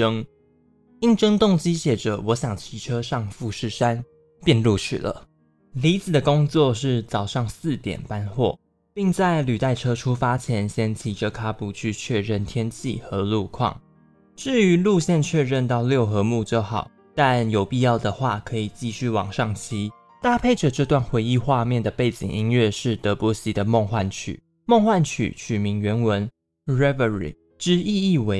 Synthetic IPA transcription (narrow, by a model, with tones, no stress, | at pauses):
ɤ˥ŋ | i˥˩ŋʈ͡ʂɤ˥ŋt̪ʊ˥˨˩ŋt͡ɕi˥ɕjɛ˨˩ʈ͡ʂə˩wɔ˨˧˥ɕjɑ˨˩ŋt͡ɕʰi˧˥ʈ͡ʂʰɤ˥ʂɑ˥˧ŋfu˥˧ʂɻ̩˥˩ʂa˥˦n | pjɛ˥˧nlu˥˧t͡ɕʰy̰˥˩lə̰˩ | li˧˥t͡sɹ̩˨˩d̪ə˩ko˥ŋt͡swɔ˥˧ʂɻ̩˥˩t͡sɑ˨˩ʊʂɑ˥˧ŋsɹ̩˥˩t̪jɛ̰˨˩npa˦˥nxwɔ̰˥˩ | pi˥˧ŋt͡sa˥˩ɪly˨˩t̪a˥˩ɪʈ͡ʂʰɤ˥ʈ͡ʂʰu˥fa˥t͡ɕʰjɛ˧˥nɕjɛ˥nt͡ɕʰi˧˥ʈ͡ʂʰɤ˦˥kʰa˥pu˨˩t͡ɕʰy˥˧t͡ɕʰɥɛ˥˧ɻə˥˩nt̪ʰjɛ˥nt͡ɕʰḭ˥˩xɤ˧˦lu˥˧kʰwɑ̰˥˩ŋ | ʈ͡ʂɻ̩˥˩y˧˥lu˥˧ɕjɛ˥˧nt͡ɕʰɥɛ˥˧ɻə˥˧nt̪ɑ˥˧ʊljo˥˩ʊxɤ˧˦mu˥˧t͡ɕjo˥˩ʊxɑ˨˩˦ʊ | t̪a˥˩njo˨˩ʊpi˥˧jɑ˥˩ʊd̪ə˩xwa˥˩kʰɤ˧˥i˨˩t͡ɕi˥˧ɕy˥˩wɑ̰˨˩ŋʂɑ˥˩ŋt͡ɕʰi˧˥ | t̪a˥˧pʰe˥˩ɪʈ͡ʂə˨˩ʈ͡ʂɤ˥˧t̪wa˥˩nxwe˧˥ɪi˥˧xwa˥˧mjɛ˥˩nd̪ə˩pe˥˩ɪt͡ɕḭ˨˩ŋi˥ŋɥɛ˥˧ʂɻ̩˥˩t̪ɤ˧˥pwɔ˧˥ɕi˧˥d̪ə˨mɔ˥˧ŋxwa˥˩nt͡ɕʰy̰˨˩˦ | m˥˧ŋxwa˥˩nt͡ɕʰy̰˨˩t͡ɕʰy˨˩mi˧˦˥ŋɥɛ˧˥nwə˧˦n | ɹɛ˥və˨˩ɹḭ˨˩ | ʈ͡ʂɻ̩˥i˥˧i˥˩we˧˥